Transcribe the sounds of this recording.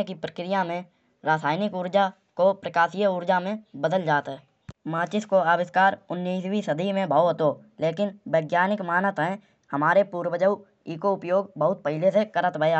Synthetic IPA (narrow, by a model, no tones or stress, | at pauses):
kipɾəkɾɪjamẽ | ɾaːsaːjnɪkuɾd͡ʒa | kopɾəkaːsijəʊɾd͡ʒamẽbəd̪əld͡ʒaːt̪ɦɛː | maːt͡ʃɪskoaːbɪskaːɾʊnːiːswisəd̪ʱimẽbʱaːoɦot̪oː | leːkɪnbeːɡjaːnɪkmaːnət̪ɦɛ̃ | həmaːɾepuːɾwəd͡ʒəu | iːkoʊpjoːɡbəɦʊt̪̚pəɦɪlesekəɾət̪bʱəa